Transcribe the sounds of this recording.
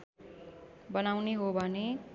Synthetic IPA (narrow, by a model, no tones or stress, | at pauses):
bʌnawneɦobʱʌne